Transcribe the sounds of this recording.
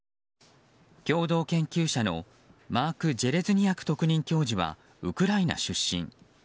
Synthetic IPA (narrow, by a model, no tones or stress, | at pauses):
kʲo̞ːd̪o̞ːkẽ̞ŋkʲɨːɕano̞̰ | maːkɯ̟d͡ʑe̞ɾe̞zɨɲ̟ijakɯ̥t̪o̞kɯ̟ɲ̟ĩŋkʲo̞ːʑiβa̰ | ɯ̟kɯ̟ɾaina̰ɕɨɕːḭ̃ŋ